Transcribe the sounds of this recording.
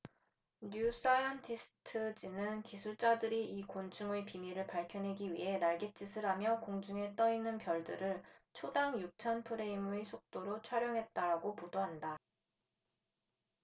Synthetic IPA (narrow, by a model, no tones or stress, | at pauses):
nus͈ajʌntʰisʰɯ̥tʰɯd͡ʑinɯnkisʰuɭt͡ɕ͈adɯɾiʔikont͡ɕʰuŋepimiɾɯɭpaɭkʰjʌnɦe̞ɡiɥḭɦe̞naɭɡet͡ɕ͈isʰɯɾamjʌkoŋd͡ʑuŋe̞t͈ʌinɯnpjʌɭdɯɾɯɭt͡ɕʰodaŋjuk̚t͡ɕʰʌnpʰɯɾe̞imuesʰok̚t͈oɾot͡ɕʰwaɾjʌŋɦe̞t̚t͈aɾaɡopodoɦanda